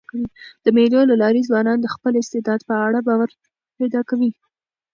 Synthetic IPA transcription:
id̪̥əmelolalɑɾizwɑnɑnd̪əxpəlɪst̪ɪd̪ɑd̪pəaɽabɑwaɾ | ped̪ɑkawi

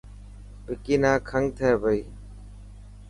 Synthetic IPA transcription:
bʱɪkiːnãːkʰəŋɡt̪ʰəeːbəiː

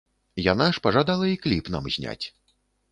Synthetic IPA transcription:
janaʂpɐʐad̪alˠɐiklʲipna̰mzʲnʲa̰t͡sʲ

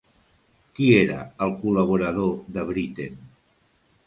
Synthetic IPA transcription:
kieɾə̰ːlˠkuləβ̞uɾəðoðəβɾit̪en

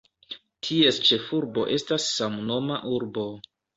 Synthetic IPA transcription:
tʰie̞st͡ʃe̞fuɾbo̞̰ʔe̞stasːamno̞maʔuɾbo̞

